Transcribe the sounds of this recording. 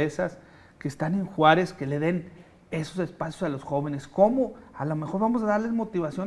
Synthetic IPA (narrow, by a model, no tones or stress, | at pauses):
esas | ke̞ːst̪aneŋxwaɾe̞ske̞le̞ðe̞n | e̞so̞se̞spasjo̞salo̞sxo̞βe̞ne̞sko̞mo̞alo̞me̞xo̞ɾβamo̞saðaɾle̞zmo̞t̪iβ̞asjo̞